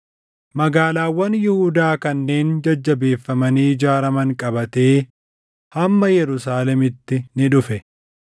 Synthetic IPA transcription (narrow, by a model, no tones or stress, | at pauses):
mɐɡaːlaːwːɐnjɪhʊd̪aːkɐnːe̞ːnd͡ʒɐd͡ʒːɐbe̞ːfːɐmɐniːd͡ʒaːɾɐmɐŋkʼɐbɐt̪e̞ː | hɐmːɐjɛɾʊsaːlɛmɪt̪ːɪnɪᶑʊfɛ